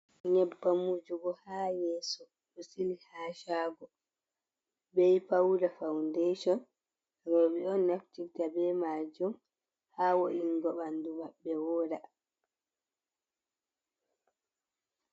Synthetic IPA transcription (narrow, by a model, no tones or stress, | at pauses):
ɲɛbːamud͡ʒuɡɔhaːjɛːsɔ | ɗɔsilihaːʃaːɡɔ | bɛjpawɾafawndeʃɔn | aɡɔɾɓɛɔnːaftitabɛmad͡ʒum | haːwoʔiŋɡɔɓanduwaɓːɛwɔːɾa